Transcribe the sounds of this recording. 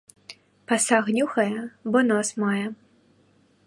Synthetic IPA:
pɐsaɣnʲuxɐjɛbɔnɔsmajɛ

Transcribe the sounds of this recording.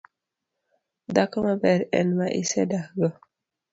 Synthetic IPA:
d̪akamabɛɾɛ̰nmaʔḭsɛdahɡɔ

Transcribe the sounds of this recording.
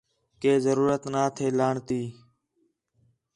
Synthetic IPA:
keːzəɾuːɾət̪naːt̪ʰeːlaːɳt̪iː

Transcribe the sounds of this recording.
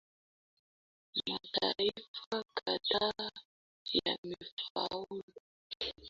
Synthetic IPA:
mataɾifakʰʼada | jamifaulu

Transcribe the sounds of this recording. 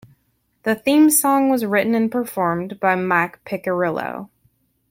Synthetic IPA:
ðɨθĩmsɔ̃ŋwʌzɹɪʔn̩ɨ̃npʰə˞fɔɹmbaɪmækpʰɪkə˞ɪlˠo̰ʊ

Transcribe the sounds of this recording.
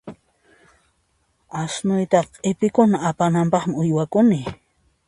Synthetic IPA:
asnʊjt̪ɑqʼɪpɪkʊnaːpanampɑχmɪʊjwakʊnɪ

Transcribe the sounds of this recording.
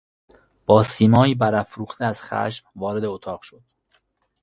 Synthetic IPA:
b̥ɒːsiːmɒːiːbæɾæfɾuːχt̪ʰeæz̥xæ̰ʃmvɒːɾe̞d̪eot̪ʰɒːʁ̥ʃo̞d̪̥

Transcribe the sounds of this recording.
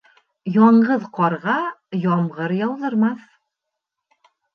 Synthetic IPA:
jɒɴɢɤðqɒɾʁɑjɒmʁɤɾjɑwðɤ̆ɾmɑθ

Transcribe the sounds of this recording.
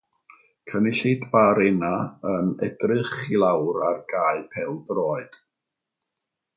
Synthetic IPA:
kʰənɪɬɪdbaɾɛnaənɛdrɨχilˠawɾarɡ̥aːɨpʰɛlˠdrɔːɨd̥

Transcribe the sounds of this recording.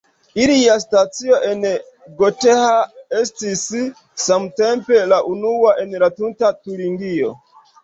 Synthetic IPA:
ilias̬tat͡sio̞ʔen | ɡotehaestisː | amtempelaʔunuwaʔenlatuntatuɾiŋɡio̰

